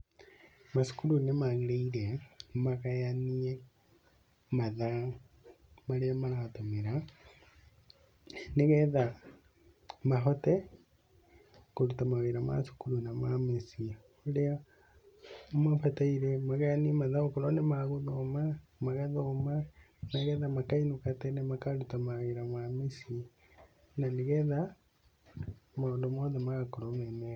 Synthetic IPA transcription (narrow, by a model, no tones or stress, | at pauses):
masu̥kulunemaɣileilemakajanie | maða | maleamalaotomiɾa | neɣeða | maxote | kulutamaweɾama̰su̥kulunamamesi | olea | mafataiɾemaɣanimaðaokoɾonemaɣoðomamaɣaðoma | naɣɛðamakainukatenemakaɾutamaɣeɾamamesi | naneɣɛða | maɣodomoðemaɣakoɾomene